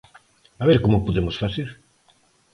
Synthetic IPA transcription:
aβeɾkomʊpoðemosfaθeɾ

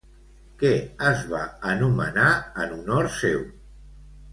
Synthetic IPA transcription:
kɛəzβaənumə̰naənunoɾsew

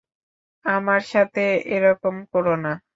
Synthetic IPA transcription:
amaɾʃat̪ʰeeɾɔkomkoɾona

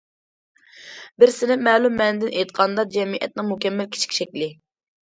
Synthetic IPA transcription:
bɪɾsɪnɪmɛːlumːɛnɪd̪ɪnʔejt̪qʰɑnd̪ɑd͡ʒɛmiʔɛ̰t̪̚nɨŋmukʲɛmːɛlkʲʰi̥t͡ʃʰi̥kʲʃɛkʲlɪ

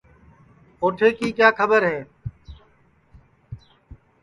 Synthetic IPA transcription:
oːʈʰeːkiːkjaːkʰəbəɾɦeː

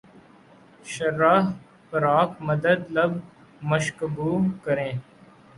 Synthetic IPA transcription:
ʃəɾːaːɦ | pəɾaːkməd̪əd̪ləb | məʃkəbuːkəɾẽː

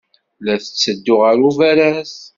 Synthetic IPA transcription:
læθə̥t͡sːəd̪ːʊʁəɾuvæɾæs

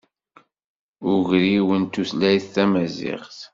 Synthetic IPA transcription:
ʊʝɾiwənt̪uθlæjθθæmæzɪ̰ʁθ

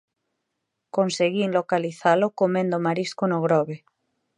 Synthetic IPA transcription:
konseɣinlokaliθalokomẽnd̪omaɾiskonoɣ̞ɾɔβe

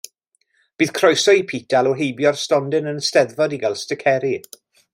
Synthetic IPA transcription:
b̥iːð̥kʰrɔjsɔipʰitalˠɔɦejbjɔrstɔndɨnənstɛðvɔdiɡalˠstəkʰɛɾi

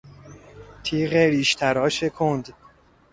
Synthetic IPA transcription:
t̪ʰiːɣeɾiːʃt̪ʰæɾɒːʃekʰond̪

